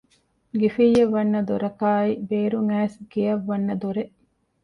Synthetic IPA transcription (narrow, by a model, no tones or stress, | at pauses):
ɡifijːɐʋːɐnːɐd̪uɾɐkaːibeːɾuŋæːsɡiɐʋːɐnːɐd̪uɾeʔ